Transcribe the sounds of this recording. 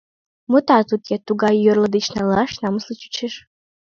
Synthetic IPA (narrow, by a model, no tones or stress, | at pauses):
mutʰatʰutʰjatʰuɡajjɔrlɐdɨt͡ʃʰnalaʂnamɨslɨt͡ʃʰu̥t͡ʃʰɪʂ